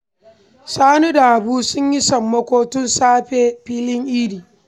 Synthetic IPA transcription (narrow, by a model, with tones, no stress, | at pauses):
saː˦nu˦da˨ʔa˨buː˦sʊ˦ɲji˦sɐ˨mːɐ˦kʷoː˦tʊ˦nsaː˦ɸeː˨ɸiː˦lɪ˦ŋʔiː˦diː˨